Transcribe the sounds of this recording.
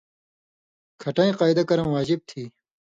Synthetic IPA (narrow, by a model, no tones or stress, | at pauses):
kʰɐʈɐ̃ĩqaːjd̪ɐkɐɾɐ̃mwaːd͡ʑib̚t̪ʰiː